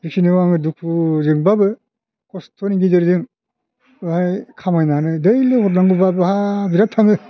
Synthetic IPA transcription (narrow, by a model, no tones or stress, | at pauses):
ɾikʰinɯwaŋɯduk̚puzɯŋbabɯ | kɔstʰoniɡidɯɾdɯŋ | ɯhajkʰamajnanɯdɯjlɯhɔt̬̚naŋɡɯbabɯhabiɾap̚tʰaŋɯ